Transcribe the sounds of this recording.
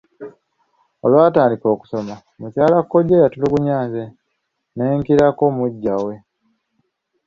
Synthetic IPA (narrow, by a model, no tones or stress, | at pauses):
olwaːtaːndiko̞ːku̥soma | mucaːlakːo̞ɟejatuliɡuɲaːze | neːŋkiɾakomuɟːawe̞